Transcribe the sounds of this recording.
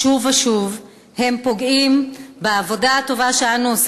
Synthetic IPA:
uvaʃuv | he̞mpo̞ɡimbeavo̞daato̞vaʃeanuos

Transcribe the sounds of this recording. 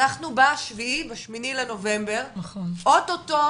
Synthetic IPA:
aχnubaʃviibeʃminileno̞ve̞mbe̞ʁnɐχonʔot̪oto

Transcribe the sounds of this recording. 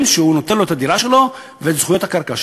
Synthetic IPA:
mʃeunot̪enlo̞et̪adiʁaʃe̞lo̞ | veːtz̥χujo̞thakaʁkaʃ

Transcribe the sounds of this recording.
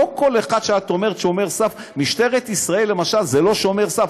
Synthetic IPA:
oko̞leχad̪̥ʃeat̪o̞me̞ʁet̪ʃeomeʁsaf | miʃte̞ʁet̪isʁaelːemaʃalzelo̞ʃomeʁsaf

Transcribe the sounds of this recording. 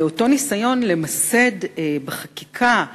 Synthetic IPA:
o̞to̞nisajo̞nle̞mase̞dbeχakikʰa

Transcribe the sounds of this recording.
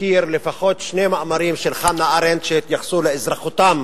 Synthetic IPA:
iɾlefaχo̞t̪ʃnemaʔamaɾimʃelχanːaʔaɾent̪ʃet̪jaχsuleezɾaχut̪am

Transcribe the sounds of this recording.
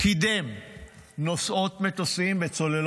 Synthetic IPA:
kid̪em | no̞so̞tmet̪osimbet͡so̞lel

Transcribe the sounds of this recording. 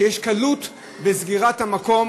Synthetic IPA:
jeʃkalut̪ | bezɡiʁathamako̞m

